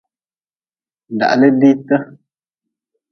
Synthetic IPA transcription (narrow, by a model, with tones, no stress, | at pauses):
n̩˨da̰˨ʔlə˦di˦tə˦